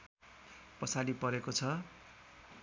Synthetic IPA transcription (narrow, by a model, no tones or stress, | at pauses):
pʌsaɽipʌɾekot͡sʰʌ